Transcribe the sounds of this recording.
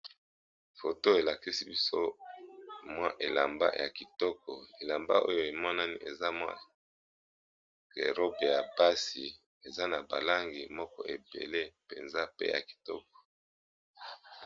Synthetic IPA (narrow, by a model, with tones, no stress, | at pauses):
fo˨to˦e˨la˨ki˦si˦bi˦so˦ | mwa˦ʔe˨la˨mba̰˦ja̰˨ki˨tɔ˦kʰɔ˨e˨la˨mba̰˦ʔo̰˦jo˦e˨mɔ˦na˦ni˦ʔe˨za˦mwa̰˦ | ke˨ʁo˦be˨ja˨ba˦si˨ | e˨za˦na˨ba˨la˦ŋɡi˨mɔ˦kɔ̰˦ʔe˨bḛ˨le˦pe˨nza˦pḛ˦ja̰˨ki̥˨tɔ̰˦k̚ɔ̥˨